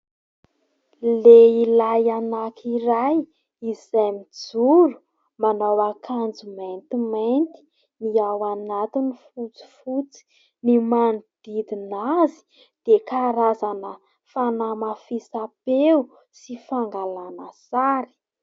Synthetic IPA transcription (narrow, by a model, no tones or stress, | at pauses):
leilajanakʰiɾaj | izajmid͡zuɾu̥ | manawakʰand͡zumajnt̪imant̪i̥ | niawanat̪inifut͡si̥fut͡si̥ | nimand̪̥id̪inazi̥ | d̪̥ekaɾazanə | fanamafisapeu | sifaŋɡalanəsaɾi̥